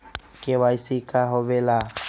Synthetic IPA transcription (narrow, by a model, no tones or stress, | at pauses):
kewajsikaɦoʋela